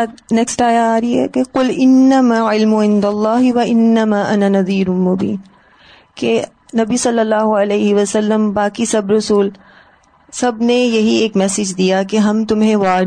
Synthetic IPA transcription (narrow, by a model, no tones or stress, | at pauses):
neksʈaːjaaːɾiɦɛ̰keqʊlɪnːɐmaːʕɪlmʊʕɪ̃nd̪ɐlˤːɑːɦɪʋɐɪnːɐmaːʔɐnanɐðiːɾʊmʊbḭːn | ke | nɐbisɐlːəlːaːɦoɐleːɦɪʋɐsɐlːəmbaːkisɐbɾɐsuːl | sɐbnejɐɦieːkmɛːsɪd͡ʒd̪ijakeɦɐmt̪ʊmɦẽʋaː